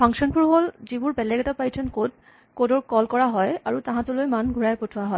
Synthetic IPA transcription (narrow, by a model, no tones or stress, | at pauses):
pʰaŋsɔnpuɹɦolzibuɹbɛlɛɡɛtapajtʰɛnkod | kodɔɹkɔlkɔɹaɦɔjaɹutãɦãtulojmanɡʱuɹajpotʰʊwaɦɔj